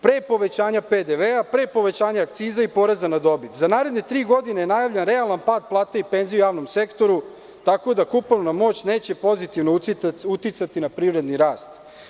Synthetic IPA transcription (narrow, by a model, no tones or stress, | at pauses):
pɾeːpo̞ʋe̞t͡ɕaːɲaped̪eʋeapɾe̞ːpo̞ʋe̞t͡ɕaːɲaakt̪siːzaipo̞ɾezanad̪o̞bit̪zanaːɾe̞d̪ɲet̪ɾiːɡo̞d̪inejenajaʋʎe̞nɾealanpaːd̪̚plˠaːt̪eipe̞nzijujaːʋno̞mse̞kt̪o̞ɾu | t̪ako̞d̪akupolnamo̞ːt͡ɕne̞ːt͡ɕe̞po̞zit̪iʋnout̪it̪sat̪inapɾiːʋɾe̞d̪niɾaːst̪